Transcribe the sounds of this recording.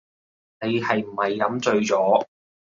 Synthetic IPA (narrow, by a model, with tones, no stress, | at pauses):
ne˨˧jhɐ˨jm̩˨˩hɐ˨jkɐ˨˧˥mt͡sɵ˧ɥt͡sɔː˨˥